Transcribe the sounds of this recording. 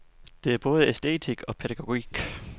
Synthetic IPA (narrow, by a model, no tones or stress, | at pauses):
d̥e̝æɐb̥ɔ̽ːð̞̩ˠəesd̥e̝̰ːt͡sʰiɡ̥ɒ̽pʰeɾæɡ̥o̝ɡ̥iɡ̥